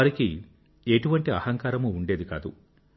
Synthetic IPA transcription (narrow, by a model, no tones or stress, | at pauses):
ɐɾiki | eʈuʋɐɳʈiɐ̰hɐŋkaːɾɐmuːɳɖe̞ːd̪ika̰ːd̪u